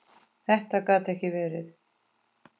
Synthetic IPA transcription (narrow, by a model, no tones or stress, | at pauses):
θɛht̪akaːt̪ɛhcɪvɛːɾɪθ